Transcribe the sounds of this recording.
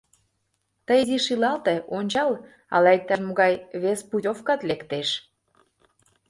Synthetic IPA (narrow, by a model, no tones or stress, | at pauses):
t̪əjziʃilɑlt̪eʔonʲt͡ɕɑl | ɑ̰lɑek̚t̪ærmoɣɑjβespudʲofkɑt̪lekt̪eʃ